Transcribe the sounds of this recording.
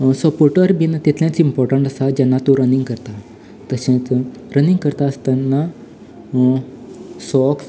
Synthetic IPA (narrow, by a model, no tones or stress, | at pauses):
səpoɾʈəɾbinat̪ɛt̪ʰljãt͡simpɔɾʈəɳʈəsad͡ʑanːat̪uɾəniŋɡkəɾt̪a | t̪əɕẽt͡s | ɾəniŋɡkəɾt̪aəst̪anːa | sɔks